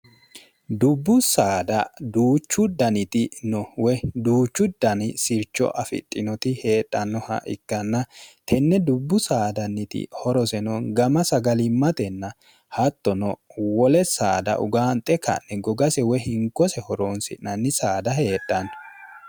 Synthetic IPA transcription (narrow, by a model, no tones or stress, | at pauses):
d̪ʊbːʊsaːd̪ɐd̪uːt͡ʃːʊd̪ɐnɪt̪ɪnɔwɛd̪uːt͡ʃːʊd̪ːɐnɪsɪɾt͡ʃːɔ̰ʔɐfɪ̰t̪ʼːɪnɔt̪ɪhe̞ːᶑʼːɐnːɔhɐ̰ʔɪkːɐnːɐt̪ʰɛnːɛd̪ʊbːʊsaːd̪ɐnːɪt̪ɪ̰hɔɾɔsɛnɔɡɐmɐsɐɡɐlɪmːɐt̪ɛnːɐ | hɐt̪ːɔnɔwɔlɛsa̰ːd̪ɐ̰ʔʊ̰ɡaːnt̪ʼɛkʰɐ̰nːɛɡɔɡɐsɛwɛɦɪŋkːɔsɛhɔɾoːnsɪ̰nɐnːɪsaːd̪ɐhe̞ːtʼːɐn